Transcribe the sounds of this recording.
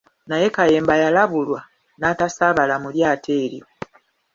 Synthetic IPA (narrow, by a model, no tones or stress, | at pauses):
naje̞kaje̞ːmbajalaβulwa | natasaβalamuljaːtʰe̞ːɾjo